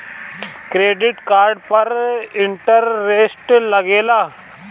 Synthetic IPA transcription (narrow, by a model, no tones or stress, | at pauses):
kɾeːɖɪʈkaːɾɖpɐɾɪɳʈəɾːeːsʈlɐɡeːlaː